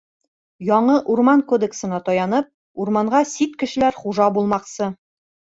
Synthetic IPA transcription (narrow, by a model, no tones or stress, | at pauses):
jɒɴɤʔuɾmɑnkod̪eksɤ̆nɑt̪ɒjɑnɤp̚ | uɾmɑɴɢɑsit̪kɘ̆ʃɘ̆læɾχuʒɑbulˠmɑqsɤ